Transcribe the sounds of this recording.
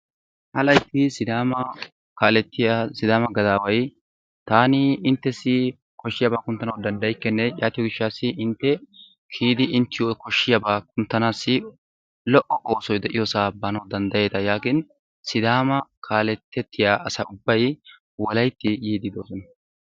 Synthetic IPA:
hɐlɐjt̪ːɪsɪd̪aːmɐ | kaːlɛt̪ːɪjasɪd̪aːmɐɡɐd̪aːwɐj | t̪aːnɪɪnt̪ːɛsːɪ | kɔʃːɪjaːbaːkʊnt̪ːɐnɐwd̪ɐnd̪ɐjkːɛnːɛjaːt̪ɪjɔɡɪʃːaːsːɪʔɪnt̪ːɛ | kʰiːd̪ɪɪnt̪ːɪjokɔʃːɪjabaːkʊnt̪ːɐnaːsːɪ | lɔʔɔʔo̞ːsɔjd̪ɛʔɪjɔsaːbaːnɐwd̪ɐnd̪ɐje̞ːt̪ɐjaːkɪn | sɪd̪aːmɐkʰaːlɛt̪ːɛt̪ʰːɪjaːʔɐsɐʊbːɐj | wɔlɐjt̪ːɪjiːd̪ɪd̪oːsɔnɐ

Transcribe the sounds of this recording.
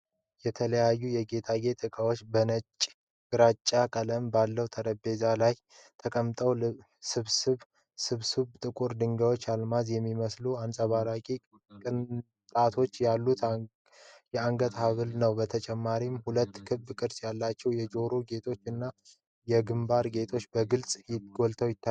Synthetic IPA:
jɛt̪ʰələjajːujɛɡe̞t̪ʰaɡe̞t̪ʼɨkʼawo̞t͡ʃːbənət͡ʃʼ | bɨɾat͡ʃʼːakʼələmbalːəwt̪ʰəɾəbe̞zalaj | t̪ʰəkʼəmt̪ʼəw | sɨβsɨβ | sɨβsɨβt̪ʼɨkʼuɾd̪ɨŋɡəwo̞t͡ʃːalmazjɛmːiməsluansʼəβaɾakʼi | kʼɨn | t̪ʼat̪ʰo̞t͡ʃːjalːut̪ | jɛaŋɡət̪haβɨlnəwbət̪ʰət͡ʃʼɛmːaɾimhulət̪ːkʰɨβbkʼɨɾsjalːat͡ʃːɛwjɛd͡ʒo̞ɾoɡe̞t̪ʰo̞t͡ʃːɨnːa | jɛɡɨmbaɾɡe̞t̪ʰo̞t͡ʃːbəɡɨlsʼjɪɡ̥o̞lt̪ʰəwjɪt̪ːa

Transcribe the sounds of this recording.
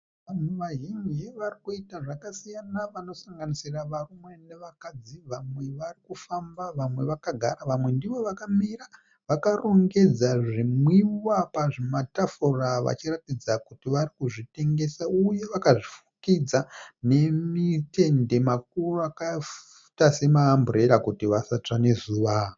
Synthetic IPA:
ʋamweʋaʒind͡ʒiʋarikuitaʐakasijanaʋano̞saŋɡanisiraʋarumwe̞ne̞ʋakad͡ziʋamwe̞ʋarikufambaʋamwe̞ʋakaɡʱa̰ɾaʋamwe̞ndiʋo̞ʋakamira | ʋakaroŋɡe̞d͡zaʐimwiwapaʐematafuraʋa̰t͡ʃiratid͡zakutiʋarikuʐite̞ŋɡe̞sauje̞ʋakaʐifu̥kid͡zane̞mite̞nde̞mak̚uruakaf | u̥tase̞maːmbure̞ɾakutiʋasat͡ʂane̞zuːʋa

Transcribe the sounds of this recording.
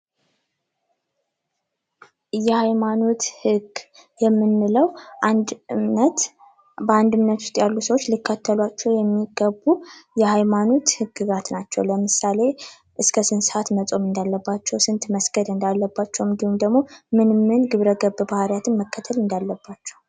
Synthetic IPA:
jɛhajmano̞t̪hɨɡ | jɛmːɨnːɨləw | bəand̪ɨmnət̪ʰu̥st̪ʼjalːusəwot͡ʃːlikʰːət̪ʰːəlwat͡ʃːɛwjɛmːiɡəbːujɛhajmano̞t̪hɨɡːɨɡat̪nat͡ʃːɛwləmɨsale̞ | ʔɨskʰəsɨnsat̪nət͡sʼo̞mɨnd̪alːəbːat͡ʃːɛwsɨnt̪məsɡəd̪ɨnd̪alːəbːat͡ʃːɛwnd̪ihumd̪əɡmo̞mɨnmɨnɡɨβɾəɡəβbahaɾjat̪ʰɨnməkːət̪ʰəlɨnd̪alːəbːat͡ʃːɛw

